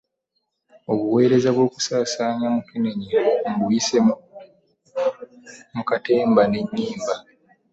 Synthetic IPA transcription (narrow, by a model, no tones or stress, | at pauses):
o̞βuwe̞ːɾe̞zaβwo̞ːku̥saːsaːɲamukineɲiŋɡuise | mukate̞ːmbane̞ɲːiːmba